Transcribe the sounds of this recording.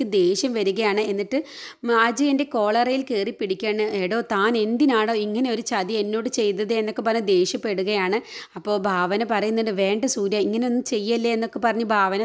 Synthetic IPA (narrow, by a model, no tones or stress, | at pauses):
ɨd̪e̞ːɕjɐmʋɐɾuɣɐjaːɳɨe̞nːiʈːɨ | ad͡ʑɐjinde̞ko̞ːɭɐrɐjilkeːripːiɽikʲːaːɳɨeːɽo̞ːt̪aːne̞nd̪inaːɳo̞ːiŋːɐne̞o̞ɾut͡ɕɐd̪ie̞nːo̞ːɽɨt͡ɕe̞jnːɐðɨenːo̞kːepɐrɐɲːud̪e̞ːɕjɐpːe̞ɽuɣɐjaːɳɨɐpːo̞ːɭbʱaːʋɐnɐpɐrɐjunːɐɖɨʋe̞ːɳɖɐsuːɾjɐiŋːɐneonːɨt͡ɕe̞jːɐlːeenːo̞kːe̞pɐrɐɲːubʱaːʋɐnɐ